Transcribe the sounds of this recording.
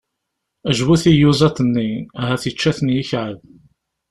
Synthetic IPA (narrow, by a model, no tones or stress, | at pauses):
æʒwuθijuzˤɑt̪ənːiæɦæθit͡ʃːæθnjiçʕəð